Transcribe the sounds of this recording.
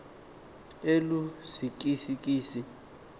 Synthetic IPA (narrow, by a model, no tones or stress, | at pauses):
elusik̬ʼisik̬ʼiːsi